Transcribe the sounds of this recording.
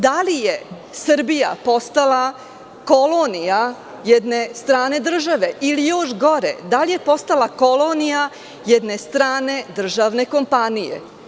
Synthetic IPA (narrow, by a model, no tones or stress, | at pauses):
d̪alije | sr̩bija̰po̞st̪alˠa | kolonija | jed̪ne̞st̪ɾaːne̞d̪r̩ʒaʋe̞ʔilijoʃɡo̞ɾḛd̪alije̞po̞st̪alako̞lo̞nija | jed̪ne̞st̪ɾaːne̞d̪r̩ʒaʋne̞ko̞mpanijḛ